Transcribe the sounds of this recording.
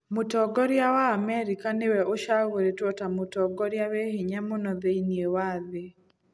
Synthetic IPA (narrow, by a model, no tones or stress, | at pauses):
motɔɡɔɾjawaːmɛɾikanewɛʔoʃaɣoɾetwɔtamotɔɡɔɾjaweheɲamonɔðeiniewaːðe